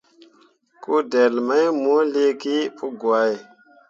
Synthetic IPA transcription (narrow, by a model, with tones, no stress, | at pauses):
ku˦de˨lma˦jmo˦le˦ki˦pu˦ɡa˨j